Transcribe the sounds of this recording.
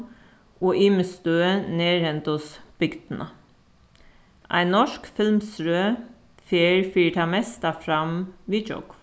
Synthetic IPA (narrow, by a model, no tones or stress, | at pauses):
oːʔɪməst̪øːəneːɾhɛnt̪ʊsb̥ʏɡd̪̥n̩ʔə | ʔæ̰ɪnnːɔʃkfɪlmsɾøː | feːɹfiːʈʰɑːmɛst̪ɑfɾɑmʋiːd͡ʒɔ̰ɡ̥